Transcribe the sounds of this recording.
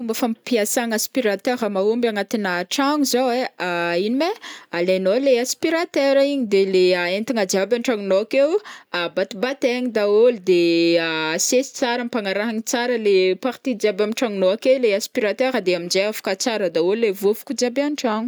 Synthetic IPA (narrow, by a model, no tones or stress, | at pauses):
fumbafampiasaŋaspiɾat̪eɾəmaumbaŋat̪inaʈ͡ʂaŋuzaweainimealenoleaspiɾat̪eɾaiɲid̪eleaent̪iŋad͡ʒiabanʈ͡ʂaŋunoakewabat̪ibat̪eɲid̪aolid̪e | sesi̥t͡saɾəmipaŋaɾaɦaɲit͡saɾəlepaɾt̪id͡ʒiabamiʈ͡ʂaŋunoakeleaspiɾat̪eɾəd̪eamind͡ʒeafḁkat͡saɾəd̪aollevuvu̥kʲud͡ʒiabanʈ͡ʂaŋu